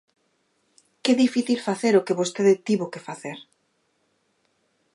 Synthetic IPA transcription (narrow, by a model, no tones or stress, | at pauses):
kɛðifiθilfaθeɾokeβost̪eðet̪iβokefaθeɾ